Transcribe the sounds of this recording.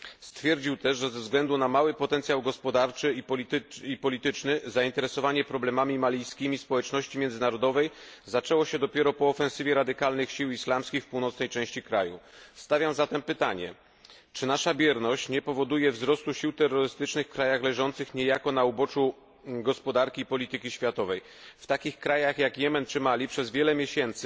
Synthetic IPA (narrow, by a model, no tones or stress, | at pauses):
st̪fʲjɛɾd͡ʑiwt̪ɛʐʐɛzɛvzɡlɛnd̪unamawɘpɔt̪ɛnt̪sʲjawɡɔspɔd̪aɾt͡ʂɘiipɔlʲit̪ɘt͡ʂnɘzaint̪ɛɾɛsɔvaɲɛpɾɔblɛmamʲimalʲijskʲimʲispɔwɛt͡ʂnɔɕt͡ɕimʲjɛnd̪zɘnaɾɔd̪ɔvɛjzat͡ʂɛwɔɕɛd̪ɔpʲjɛɾɔpɔːfɛ̃nsɘvʲjɛɾad̪ɘkalnɘxɕiwislamskʲixfpuwnɔt̪snɛjt͡ʂɛ̃w̃ɕt͡ɕikɾa̰just̪avʲjamzat̪ɛmpɘt̪aɲɛ̰ | t͡ʂɘnaʂabʲjɛɾnɔɕt͡ɕɲɛpɔvɔd̪ujɛvzɾɔst̪uɕiwt̪ɛrːɔɾɘst̪ɘt͡ʂnɘxkɾajaxlɛʐɔn̪t̪sɘxɲɛjakɔnaubɔt͡ʂu | ɡɔspɔd̪aɾkʲiːpɔlʲit̪ɘkʲiɕfʲjat̪ɔvɛj | ft̪akʲixkɾajaxjakjɛmɛnt͡ʂɘmalʲipʂɛzvʲjɛlɛmʲjeɕɛnt̪sɘ